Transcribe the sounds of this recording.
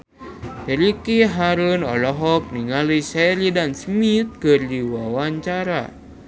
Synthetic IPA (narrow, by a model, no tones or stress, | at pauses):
t̪əɾikiɦaɾunɔ̰lɔɦɔk̚niŋalisɛɾidansmit̪̚kərdiwawaɲt͡ʃaɾa̰